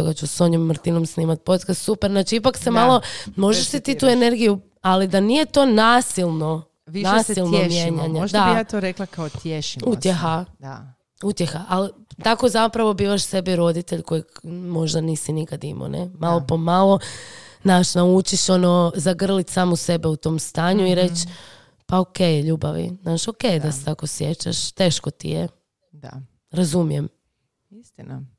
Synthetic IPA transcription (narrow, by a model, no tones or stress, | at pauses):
oɡat͡ɕusoɲomːr̩t̪ino̞msniːmat̪̚po̞t̪kast̪supeɾnaːt͡ʃiipaksemalˠo̞mo̞ʒeʃsit̪it̪ue̞ne̞ɾɡiju | alid̪anije̞t̪o̞ːnaːsilˠno | ʋinasilˠnoemjeɲaɲeʒd̪aat̪oɾeklakaot̪jeʃiut̪jexa | ut̪je̞xaʔali | t̪akozapɾaʋo̞biːʋaʃse̞biɾo̞d̪it̪eʎko̞jiɡmo̞ʒd̪aniːsinikad̪imo̰nʔḛmalˠopomalˠo̞znaːʃnaut͡ʃiʃo̞nozaɡr̩lit̪saːmose̞beut̪o̞ːmst̪aːɲuiɾe̞t͡ɕ | paokejʎuːbaʋḭnaːʃo̞ke̞jd̪aset̪ako̞sjet͡ɕa̰ʃt̪e̞ːʃkot̪ḭje | d̪a̰ | ɾazumije̞m | ist̪ina